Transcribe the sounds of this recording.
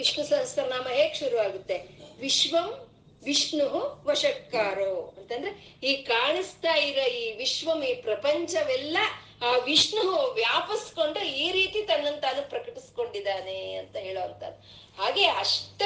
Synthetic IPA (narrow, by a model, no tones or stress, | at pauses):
iʂmusɐnst̪ɐɾnaːmɐɦeːkʃuɾuʋaːɡut̪ːe̞ʋiʂʋɐm | ʋiʂɳuɦuʋɐʂɐkːaːɾoːɐnt̪ɐnd̪ɐɾe | iːkaːɳist̪aːjiɾoiːʋiʃʋɐmiːpɾɐpɐɲt͡ʃɐʋɛlːɐ | aːʋiʂɳuɦuʋjaːpɐsko̞ɳɖuiːɾiːt̪it̪ɐnːɐnːt̪aːnupɾɐkɐʈisko̞ɳɖid̪aːneɐnt̪ɐɦe̞ːɭoːɐnt̪ɐ̰d̪ːu | haːɡe̞ːɐʂʈ